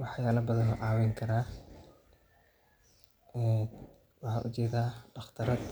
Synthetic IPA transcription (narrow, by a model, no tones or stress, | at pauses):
wɑħjaːlɐbɐðɐnɐʕɑːwɛjŋkʰɐɾaː | ɛ | wɑħɑ̰ːʔʊt͡ʃɛːðaːɖɑχt̪ʰɐɾɐd̪